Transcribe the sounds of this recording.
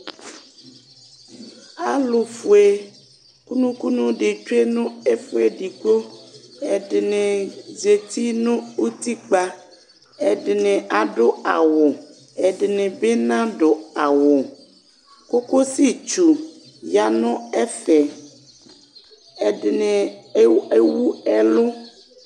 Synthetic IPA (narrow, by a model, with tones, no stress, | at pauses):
a˨lo˨fu˨e˨ | ku˦nũ˦ku˦nũ˦ɖɪ˨t͡ʃe˦nʊ̃˦e˦fu˦e˦ɖi˨ko˦ɛ˨ɖɪ˨nẽ˨ze˨t̪i˦nʊ̃˦u˦t̪i˦k͡pa˦ | ɛ˨ɖɪ˨nẽ˨a˨ɖʊ˦a̰˨wo˨ | ɛ˨ɖɪ˨nẽ˨be˦nã˦ɖʊ˨a˨wo˨ | ko˦ko˦si˦t͡ʃu˨ | ja˨nʊ̃˦ɛ˦fɛ˨ | ɛ˨ɖnẽ˨˦ | e˦wu˦ɛ˦lʊ˦